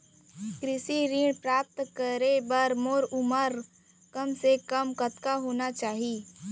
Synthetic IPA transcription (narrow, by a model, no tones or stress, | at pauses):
kɾɪʃiɾĩːɽpɾaːp̚t̪kəɾebəɾmoːɾʊməɾ | kəmsekəmkət̪kaɦoːnat͡ʃaːɦiː